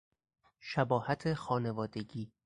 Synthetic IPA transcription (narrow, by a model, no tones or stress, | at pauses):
ʃæbɒːhæt̪ʰexɒːnevɒːd̪e̞ɡiː